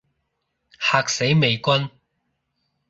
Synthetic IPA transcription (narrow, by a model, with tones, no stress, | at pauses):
haː˧k̚se˨˥jme˨˧jkʷɐ˥n